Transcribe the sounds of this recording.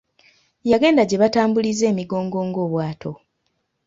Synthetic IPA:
jaɡe̞ːndaɟe̞βataːmbulize̞ːmiɡo̞ːŋɡo̞ːŋɡo̞ːβwaːtʰo̞

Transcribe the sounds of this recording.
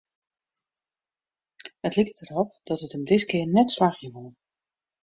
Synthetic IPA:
ətliktərɔp̚d̥ɔtətəmdɪtkɪərnɛtslaxjəʋolˠ

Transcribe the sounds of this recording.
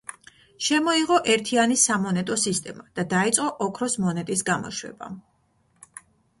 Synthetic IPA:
ʃɛmɔiʁɔʔɛɾt̪ʰianisamɔnɛt̪ʼɔsist̪ʼɛmad̪̥ad̪ait̪sʼqʼɔʔɔkʰɾɔsmɔnɛt̪ʼisɡamɔ̰ʃwɛ̰ba̰

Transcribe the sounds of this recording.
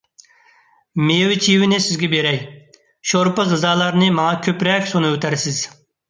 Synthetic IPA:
mejwɪt͡ʃʰiwɪnɪsɪzɡʲɛbeɾɛj | ʃoɾpɨʁɨzɑːlˠɑɾnɨmɑŋɑkʲʰøpɾɛkʲsonɨøt̪ʰæɾsɪz̥

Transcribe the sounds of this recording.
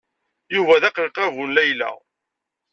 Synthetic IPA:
juvæðæqlqævunlæjlæ̰

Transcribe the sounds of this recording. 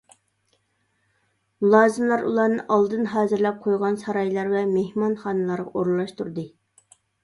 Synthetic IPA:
mulˠɑːzɨmlˠɑɾṵlˠɑɾnɨʔɑlˠd̪ɨnɦɑːzɪɾlɛp̚qʰojʁɑnsɑɾɑjlˠɑɾvɛmehmɑnχɑːnɨlˠɑɾʁɑ̰ʔoɾlˠːɑʃt̪uɾd̪ɨ

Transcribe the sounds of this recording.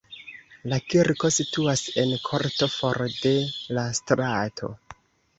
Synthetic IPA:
lakiɾko̞situase̞nkʰo̞ɾto̞fo̞ɾde̞lastɾatʰo̞̰

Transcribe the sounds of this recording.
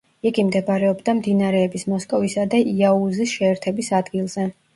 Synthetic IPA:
iɡimd̪ɛbɾɛɔbd̪amd̪inaɾɛːbismɔskʼɔvisad̪aʔiauzisʃɛːɾt̪ʰɛbisad̪ɡilˠzɛ

